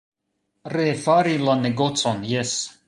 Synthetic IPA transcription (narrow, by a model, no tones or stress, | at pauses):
reːfaɾilˠaneɡɔt̪sɔnjɛs